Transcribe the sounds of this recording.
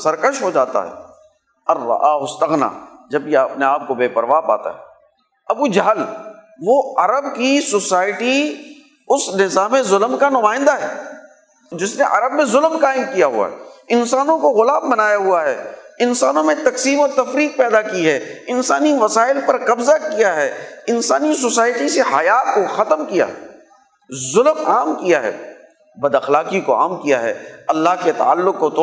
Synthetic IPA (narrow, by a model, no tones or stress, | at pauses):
sɐɾkəʃɦod͡ʒaːt̪a̰ɦɛ̰ː | ɐrːɐ̰ʔaːɦʊst̪əɣna̰ːd͡ʒɐb̚keɐpneaːp̚kobeːpɐɾʋaːpa̰ːt̪a̰ɦɛː | ɐbkud͡ʒaɦl | ʋoɐɾəbkisʊsaːɪʈi | ʊsnɪzaːmẽzʊlmkanʊmaːɪ̃nd̪aɦɛː | d͡ʒɪsneʔɐɾəbmẽzʊlmkaːɪmkijaɦṵa̰ɦɛ̰ɪnsaːnõkoɣʊlaːbːɐnaːjaɦuaɦɛ̰ːɪnsaːnõmẽt̪ɐksiːmɔːɾt̪ɐfɾiːk̚pɛːd̪akiɦɛːɪnsaːniʋɐsaːɪlpɐɾqɐbzakijaɦɛːɪnsaːnis̬ʊsaːjʈiseɦɐjaːkoxɐt̪əmkija̰ː | zʊlmaːmkijaɦɛ̰ː | bɐd̪ɐxlaːkikoa̰ːmkija̰ɦɛ̰ːɐlːaːɦket̪a̰alːʊkːot̪ː